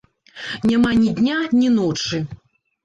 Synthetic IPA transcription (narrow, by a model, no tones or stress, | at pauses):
nʲamanʲid̪ʲnʲanʲinɔt͡ʂɨ